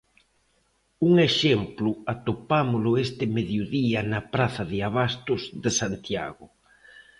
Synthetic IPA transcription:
uŋeʃemplʊat̪opamolʊest̪ɪmeðjoðiɐnapɾaθaðɪaβast̪ʊzðesant̪ja̰ɣʊ

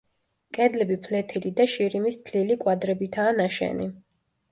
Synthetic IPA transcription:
kʼɛd̪lɛbipʰlɛt̪ʰilid̪aʃiɾimist̪ʰlilikʼwad̪ɾɛbit̪ʰaːnaʃɛ̰ni

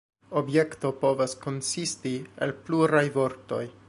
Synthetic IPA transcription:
o̞bje̞kto̞po̞vasko̞nsistiḛlpluɾajvo̞ɾto̞̰j

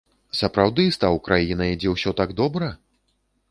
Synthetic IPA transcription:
sɐpɾawd̪ɨst̪awkɾʔajinɐd͡zʲɛwsʲɔt̪aɡd̪ɔbɾɐ

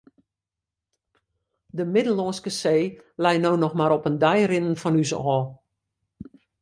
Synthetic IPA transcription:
dəmɪdəl̩ˠɔːnskəseːlɛjnownɔxmaɾɔpəndɛjrɪnən̩fɔnysɔːlˠ

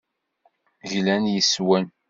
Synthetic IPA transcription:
ʝlænjəswæn

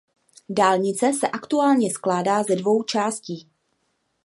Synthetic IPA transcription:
daːlɲɪt͡sɛsɛʔakt̪uaːlɲɛsklaːdaːzɛdvo̞wt͡ʃaːsciː

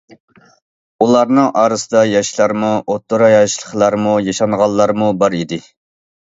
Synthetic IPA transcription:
ulˠɑɾnɨŋʔɑːɾɨsɨd̪ɑjɑʃlˠɑɾmuʔot̪ʰːoɾɑjɑʃlˠə̥χlˠɑɾmujɑʃɑnʁɑlˠːɑɾmubɑɾid̪ɪ

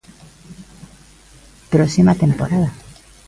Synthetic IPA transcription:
pɾosimat̪e̞mpo̞ɾaða

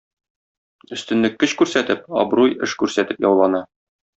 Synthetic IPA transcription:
ɵ̆st̪ɘ̆nlɘkːɵɕkʉɾsæt̪ɘp̚ɒ̰bɾujɘ̰ʃkʉɾsæt̪ɘpjɒwlˠɑnɑ

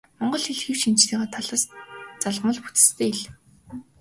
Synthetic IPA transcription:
mɔɴɢɞ̆ɮxiɮxiwʃint͡ɕt̪ʰiːʁaːt̪ʰaɮăːst͡saɮʁmə̆ɮput͡s̪ɘ̥̆st̪ʰeːiɮ

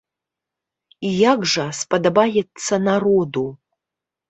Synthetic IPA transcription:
ijaɡʐɐspɐd̪ɐbajɛt̪sːɐnarod̪u

